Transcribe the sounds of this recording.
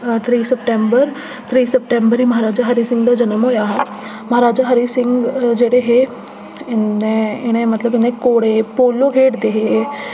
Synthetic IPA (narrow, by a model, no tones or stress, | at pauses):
t̪ʰɾiːsəpʈẽmbəɾ | t̪ʰɾiːsəp̚ʈẽmbəɾɦiːməɦaɾaːd͡ʒaɦəɾisɪ̃ŋɡd̪ad͡ʒənəmɦojaɦe | mɐɦaɾaːd͡ʒaɦəɾisɪŋɡd͡ʒeːɽeɦe | ɪnːeɪɽ̃ẽmɐt̪ləbɪnẽkoːɽepoːloɡʱeːʈd̪eɦe